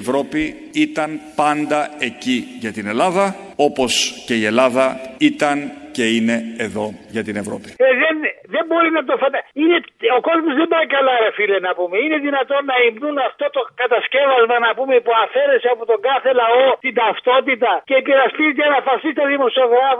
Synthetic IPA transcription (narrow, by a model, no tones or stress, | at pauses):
vɾo̞pi | it̪ɐnpɐnd̪ɐe̞ciʝɐt̪ine̞lɐðɐo̞po̞sce̞ie̞lɐðɐit̪ɐnce̞ine̞ːðo̞ʝɐt̪ine̞vɾo̞̰pi̥eðenðe̞mbo̞ɾinɐt̪̬ofɐt̪ɐineo̞ko̞zmozðembɐɾikɐlaɾefilenɐpume̞ine̞ðinɐt̪o̞nːɐimnunɐft̪o̞t̪o̞kɐt̪ɐsce̞vɐzmɐnɐpumepuɐfe̞ɾe̞seɐpot̪o̞ŋɡɐθe̞lɐo̞t̪int̪ɐft̪o̞t̪̬it̪ɐcepiɾɐstit̪iɐnɐfɐsist̪ɐðimo̞sioɣɾɐv